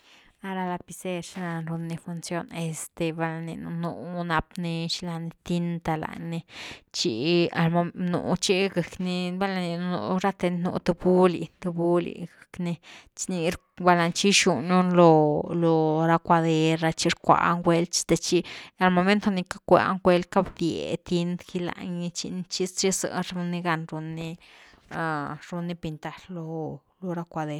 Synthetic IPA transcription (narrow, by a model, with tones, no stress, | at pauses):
a˦ɾa˧la˧pi˧se˦ɾʃla˧nɾu˧nːi˧fu˧nsjo˦ne˧st̪e˧ba˧la˧nḭ˧nṵ˧nu˧na˧pni˧ʃla˧ni˧t̪i˦nt̪a˧la̰˨ni˧t͡ʃi˧a˨lo˧nṵ˨t͡ʃi˦ɡə˨kni˧ba˦la˧ni˧nu˧nṵ˧ɾa˦t̪e˧nnṵ˧t̪e˧bu˦lḭ˨t̪u˧bu˦lḭ˨ɡa˨kni˧t͡ʃni˧ɾ | ba˧la˧nt͡ʃi˦ʃu˨nu˦nlo˧lo˧ɾa˦kʷa˧d̪e˧ɾɾa˧t͡ʃi˦ɾkʷa̰˧˨a̰˦ŋɡwe˧lt͡ʃt̪e˧t͡ʃi˦a˨lmo˧me˦nt̪a˧ni˧ka˦kʷḛ˧a̰˦ŋɡwe˧l̚ka˦bd̪je˨t̪i˧nd̪ki˦la̰˧ɲi˧t͡ʃḭ˧ni˦t͡ʃi˦st͡ʃi˦sɨ̰˧ɾu˧nːi˧ɡa˧nɾu˧nːi˧ | a˧ɾu˧ni˦pi˧nt̪a˨llo˧ | lo˧ɾa˧kʷa˧d̪e˧ɾ